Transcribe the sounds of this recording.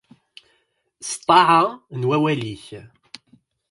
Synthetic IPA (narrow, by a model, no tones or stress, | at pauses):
st̪ˤːɑʕanwæwæliç